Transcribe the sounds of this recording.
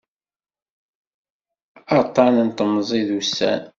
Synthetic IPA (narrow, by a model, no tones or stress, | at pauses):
ɑt̪ˤːɑnənt̪əmːzˤiðusːæ̰n